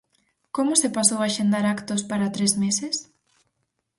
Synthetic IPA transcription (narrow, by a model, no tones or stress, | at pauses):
komʊsepasowaʃend̪aɾakt̪ospaɾat̪ɾezmeses